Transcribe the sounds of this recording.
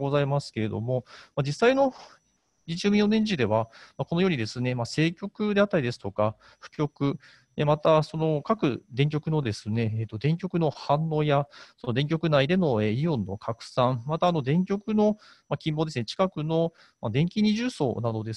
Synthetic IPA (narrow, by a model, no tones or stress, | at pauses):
ɡozaimasɨ̥ke̞ɾe̞d̪o̞̰mo̞mad͡ʑisːaino̞ | ɲit͡ɕɨːmʲĩonẽ̞ɲd͡ʑid̪e̞βamako̞no̞jo̞ːɲid̪e̞sɨne̞mase̞ːkʲo̞kɯ̟d̪e̞at̪ːaɾid̪e̞sɨ̥t̪o̞ka | ɸɯ̟̥kʲo̞kɯ̟ | emat̪aso̞no̞kakɯ̟d̪ẽ̞ŋkʲo̞kɯ̟no̞d̪e̞sɨne̞eːt̪ːo̞d̪ẽ̞ŋk̬ʲo̞kɯ̟no̞hãnːo̞ːjaso̞no̞d̪ẽ̞ŋk̬ʲo̞kɯ̟naid̪e̞no̞eːiõ̞nːo̞̰kʰakɯ̟̥sãɴmat̪aːno̞d̪ẽ̞ŋkʲo̞kɯ̟no̞ | makʲĩmbo̞ːd̪esɨnet͡ɕi̥kakɯ̟no̞ | mad̪ẽ̞ŋkʲiɲ̟iʑɨːso̞̰ːnad̪o̞d̪e̞s